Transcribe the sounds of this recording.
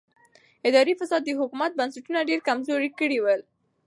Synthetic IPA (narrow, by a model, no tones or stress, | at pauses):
ɪd̪ɑɾifɐsɑːd̪̚ːiɦʊkumat̪̚bansuʈunaɖiɾkamzoɾikiɽiwəl